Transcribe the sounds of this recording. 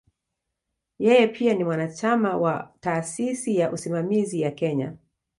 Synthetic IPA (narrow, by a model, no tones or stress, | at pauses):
jɛjɛpʰianimwanat͡ʃamawa̰taːsisijaʔusimamizijakɛɲa̰